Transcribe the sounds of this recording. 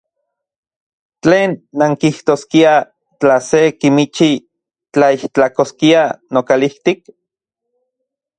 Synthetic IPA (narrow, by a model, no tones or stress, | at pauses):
t͡ɬeːnːaŋkiht̪oːskia | t͡ɬasekimit͡ʃi | t͡ɬaiht͡ɬakoskianokaliht̪ik